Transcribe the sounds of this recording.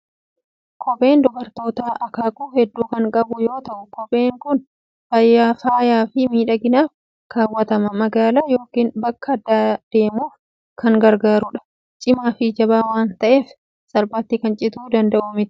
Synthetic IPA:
kʰɔpʼe̞ːnd̪ʊbɐɾt̪o̞ːt̪aːʔɐkaːkʼuːhɛd̪ːuːkɐŋkʼɐbʊjo̞ːt̪ɐʔʊkɔpʼe̞ːŋkʊn | fɐjːaːfaːjaːfɪmiːᶑɐɡɪnaːf | kaːwːɐt̪ɐmɐmɐɡaːlaːjo̞ːkiːnbɐkːɐd̪aːd̪̥e̞ːmuːf | kʰɐŋɡɐɾɡaːɾʊᶑɐ̥ | t͡ʃʼɪmaːfɪd͡ʒɐbaːwaːnt̪ɐʔe̞ːf | sɐɾbaːt̪ːɪkɐnt͡ʃʼɪt̪uːd̪ɐnd̪ɐʔumɪt̪

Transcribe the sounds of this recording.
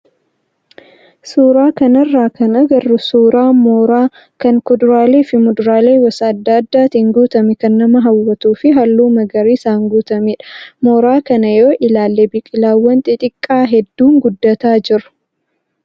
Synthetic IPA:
suːɾaːkɐnɐrːaːkɐnɐɡɐrːʊsuːɾaːmoːɾaː | kɐŋkʊd̪ʊɾaːleːfɪmʊd̪ʊɾaːleːwɐsɐːd̪ːaːɐd̪ːaːt̪iŋɡuːt̪ɐmɛkɐnːɐmɐɦɐwːɐt̪uːfɪɦɐlːuːmɐɡɐɾiːsaːŋɡuːt̪ɐmiᶑɐ̥moːɾaːkɐnɐjoːʔɪlaːlːeːbɪkʼɪlaːwːɐnt̪ʼɪt̪ʼɪkʼːaːɦɛd̪ːuːŋɡʊd̪ːɐt̪aːd͡ʒɪɾʊ̥

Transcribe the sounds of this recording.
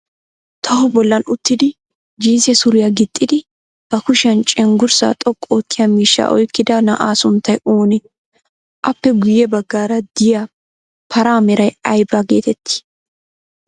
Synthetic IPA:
t̪ʰɐhʊbɔlːɐnʊt̪ːɪd̪ɪ | d͡ʒiːsɛsʊɾɪjɐɡɪt̪ʼːɪd̪ɪ | b̥ɐkʊʃɪɐnt͡ʃʼɛŋɡʊɾsa̰t̪ʼɔkʼːoːt̪ːɪjɐmiːʃːa̰ʔɔ̰jkːɪd̪ɐnɐʔaːsʊnt̪ːɐjoːnɪ | ʔɐpːɛɡʊjɛbɐɡːaːɾɐd̪̥ɪja | pʰɐɾaːmɛɾɐjɐjbaɡḛːt̪ɛt̪ːɪ̥

